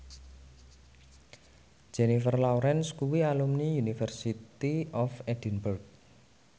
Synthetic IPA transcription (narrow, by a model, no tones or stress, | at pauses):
d͡ʒ̥ɛnifərlauɾɛnskuwialumniunifərsit̪iɔfɛd̥i̤nburɡ̚